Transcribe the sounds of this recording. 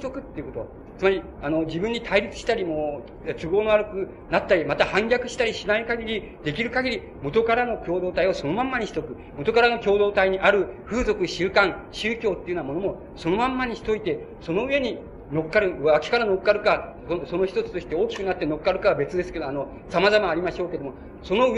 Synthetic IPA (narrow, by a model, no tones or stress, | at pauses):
it̪o̞kɯ̟t̪ːe̞iɯ̟ko̞t̪o̞ | t͡sɨmaɾʲi | anod͡ʑibɯ̟ɲ̟ːit̪ʰaiɾʲit͡sɨ̥ɕi̥t̪aɾʲimoː | sɨɡo̞ːnoaɾɯ̟kɯ̟ | nat̪ːaɾʲimat̪ahãŋɡʲakɯ̟ɕi̥t̪aɾʲiɕinaikaɡʲiɾʲi | d̪e̞kʲiɾɯ̟kaɡʲiɾʲi | mot̪o̞kaɾano̞kʲo̞ːd̪o̞ːt̪aio̞so̞no̞mãmːaɲ̟iɕi̥t̪o̞kɯ̟ | mot̪o̞kaɾano̞kʲo̞ːd̪o̞ːt̪aiɲ̟iʔaɾɯ̟ɸɯ̟ːzo̞kɯ̟ɕɨːkãŋɕɨːkʲo̞ːt̪ːeiɯnamo̞no̞mo | so̞no̞mãmːaɲ̟içi̥t̪o̞it̪e̞ | so̞no̞ɯ̟e̞ɲ̟i | no̞kkːaɾɯ̟akʲi̥kaɾanokkːaɾɯ̟ka | oso̞no̞çi̥t̪o̞t͡sɨ̥t̪o̞ɕi̥t̪e̞o̞ːkʲi̥kɯ̟nat̪ːe̞no̞kkːaɾɯ̟kaβabe̞t͡sɨd̪e̞sɨ̥ke̞d̪oano̞ | samazamaːɾʲimaɕo̞ːke̞d̪omo | so̞no̞ɯ